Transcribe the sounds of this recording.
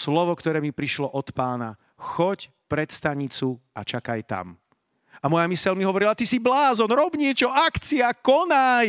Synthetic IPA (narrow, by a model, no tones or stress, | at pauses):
slɔʋɔkt̪ɔɾɛːmipɾiʃlɔʔɔt̪paːna̰ | xɔc | pɾɛt̪st̪aɲit͡sua̰t͡ʃakajt̪a̰m | amɔjamisɛlmiɦɔʋɔɾilat̪isiblaːzɔnɾɔbɲɪɛt͡ʃɔakt͡siakɔnaj